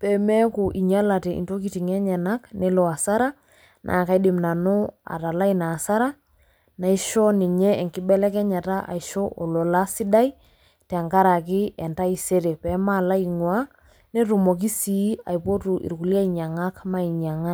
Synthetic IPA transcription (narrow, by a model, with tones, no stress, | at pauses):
pɛ˨mɛ˦kʊ˨ʔi˨ɲa˦la˨tɛ˨ḭ˨nto˦ki˨ti˨ŋɛ˦ɲɛ˨na˦kne˦lɔ˨a˨sa˦ɾa˦ | nʔa̰˨ka˨i˦dɪ˨mna˨nʊ˦a̰˨ta˨la˦i˦na˨sa˦ɾa˦ | na˨i˦ʃɔ˦nɪ˨ɲɛ˦ɛ˨ŋkɪ˦bɛ˦lɛ˦kɛ˦ɲa˨ta˦ʔa̰˨i˨ʃo˦ʔo˨lo˨la˦sɪ˦da˦i˦ | tɛ˨ŋɡa˦ɾa˨k̬ɪ˦ɛ˨nta˦i˨se˦ɾe˨pɛ˨˦ma˦˨la˦i˨ŋwa˦ | ne˦tu˨mo˨k̬i˦si˨˦a̰˨jpo˦tu˨ʔḭ˨ɾku˨li˦a˦i˨ɲa˨ŋa˦kma˦i˨ɲa˨ŋa˦